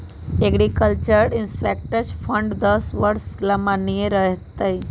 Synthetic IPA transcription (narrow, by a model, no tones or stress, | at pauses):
eɡɾikəlt͡ʃəɾɾɪnspeːk̚ʈəɾt͡ʃfʰə̃ɳɖd̪əsʋəɾslɐmanijeɾəɦt̪ɐi